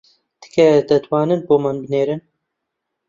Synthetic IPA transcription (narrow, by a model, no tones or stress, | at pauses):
d̪̥ɨ̥kʰɛd̪ɛt̪wɑːnɨnboːmanbɨneːɾɨn